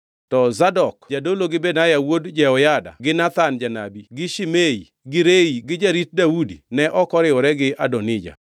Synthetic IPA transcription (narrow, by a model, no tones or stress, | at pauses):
tɔzadɔkd͡ʒadoloɡɪbenajawodd͡ʒɛɔjada̰ɡɪnat̪and͡ʒana̰biɡɪʃimei | ɡɪɾeiɡɪd͡ʒaɾit̚daudinɛʔɔkɔɾɪɔɾɛɡɪadɔnɪd͡ʒa̰